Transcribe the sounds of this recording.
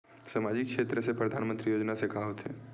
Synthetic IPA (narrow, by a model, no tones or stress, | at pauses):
samad͡ʒɪk̚kʃeːt̪ɾəsepɾəd̪ʱanmənt̪ɾijoːd͡ʒnasekaɦot̪ʰe